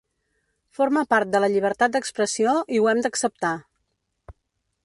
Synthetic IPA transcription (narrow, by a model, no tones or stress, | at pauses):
foɾməpaɾt̪̚d̪ələʎiβ̞əɾt̪at̪̚d̪əkspɾəsioʔiwɛmd̪əksəp̚t̪a